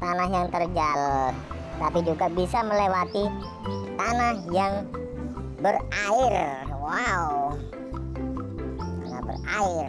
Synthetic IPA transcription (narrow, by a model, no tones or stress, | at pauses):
t̪anaɦjaŋt̪ərd͡ʒal | t̪apid͡ʒuɡabisaməlewat̪i | t̪anahjaŋ | bəraɪrwaw | ŋabə̰raɪr